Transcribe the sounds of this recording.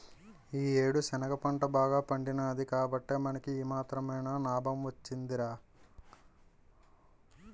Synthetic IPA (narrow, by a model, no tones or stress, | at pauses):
iːeːɽusɛnɐkɐpɐɳʈɐbaːɡaːpɐɳɖinɐːd̪ikaːbɐʈːe̞ːmɐnɐkiiːmaːt̪ɾɐmɐjnɐnaːbɐmʋɐt͡ʃːind̪iɾaː